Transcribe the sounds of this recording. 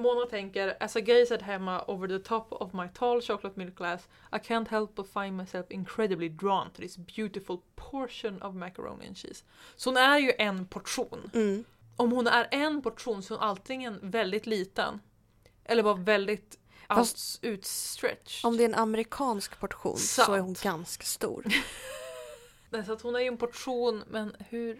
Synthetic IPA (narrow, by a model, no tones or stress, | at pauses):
moːnat̪ʰɛŋkəɾæsaɪɡeɪsɛt̪ɦɛmːaʔoːvəɾðət̪ʰɔpʰɔ̰vmaɪt̪ʰɑlɕɑklat̪mɪlkʰlæs | ʔaɪkʰænt̪ɦɛlˠpɔfãɪ̃nd̪maɪsɛlfɪŋkʰɹɛd̪əblɪd̪ɹɑnt̪ʰɾɪsbjʉ̟ːt̪ɪfʊlpʰɔɹʂənɔ̰vmækə̰ɹo̰ʊnɪ̰ə̰nʃḭːs | sɔhʊnæɾjɵʔɛnpʰɔʈʂuːn | ʔɔmhʊnæɾɛnpʰɔʈʂuːnsɔmʔalt̪ʰɪŋənvɛld̪ɪt̪liːt̪ə̰n | ʔɛlːəɾbɑːɾavɛld̪ɪt̪ | ʔat̪ʉ̟ːt̪st̪ɾɛ̰t̪t͡ʃɔmd̪ɛæɾɛnamɾɪkʰɑːnskpʰɔʈɧṵːnsaɔæɾhʊnɡanskḁst̪ṵːɾ | nɛsɔat̪hʊnæɾjɵɛnpʰɔʈʂuːnmɛnhɵ̟ɾ